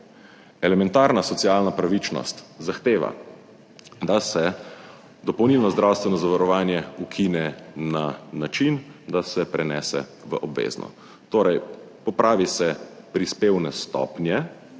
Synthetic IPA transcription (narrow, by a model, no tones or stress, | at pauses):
ɛlɛmɛnt̪aːɾnasɔt̪siaːlnapɾaʋit͡ʃnɔ̰st̪zaxt̪eːʋa̰ | d̪asɛ | d̪ɔpɔwniːlnɔzd̪ɾawst̪ʋɛnɔzaʋaɾɔʋaːnjɛukʰinɛnanat͡ʃind̪asɛpɾɛnɛːsɛ̰ʋə̰ʔɔbʋḛːznʔɔ̰ | t̪oːɾɛj | pɔpɾʔaːʋisɛ | pɾispeːwnɛst̪ɔ̰pnjɛ